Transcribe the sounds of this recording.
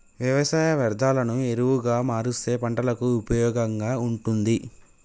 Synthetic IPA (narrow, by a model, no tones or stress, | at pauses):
ʋjɐʋɐsaːjɐʋɐɾd̪ʱaːlɐnue̞ɾuwuɡaːmaːɾust̪e̞ːpɐɳʈɐlɐkuːpɐjɔːɡɐŋɡaːuɳʈund̪i